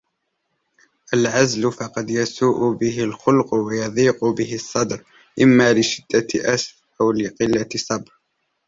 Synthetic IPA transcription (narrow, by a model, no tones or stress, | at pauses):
ʔalʕazlʊfɑqɑd̪jasuːʔʊbɪɦɪlxʊlqʊwajɑðˤiːqʊbɪhɪsˤːɑd̪ɾ | ʔɪmːalɪʃɪd̪̥ːaʔasf | ʔawlɪqɨlːasˤɑbɾ